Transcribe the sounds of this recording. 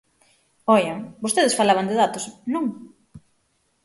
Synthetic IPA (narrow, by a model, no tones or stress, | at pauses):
ɔjaŋbost̪eðɪsfalaβɐŋd̪ɪðat̪osnõŋ